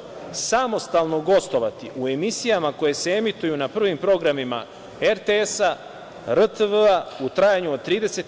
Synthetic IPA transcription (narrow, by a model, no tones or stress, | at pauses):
samo̞st̪aːlˠno̞ɡo̞st̪o̞ʋat̪iʔue̞misijamako̞je̞se̞e̞mit̪ujunapr̩ʋimpɾo̞ɡɾamima̰ | eɾt̪eesa | ɾət̪əʋəaut̪ɾajaɲuod̪̚t̪ɾiːd̪e̞se̞t̪